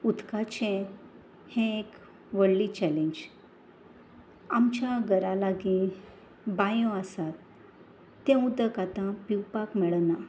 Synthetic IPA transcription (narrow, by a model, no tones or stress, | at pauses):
ut̪kat͡ɕɛ̃ | hɛ̃ek | ʋəɽlit͡ɕɛlẽɲd͡ʑ | amt͡ɕjaɡəɾalaɡĩ | bajɔ̃əsat̪ː | ɛ̃ũd̪əkat̪ãpiwpakmɛɭna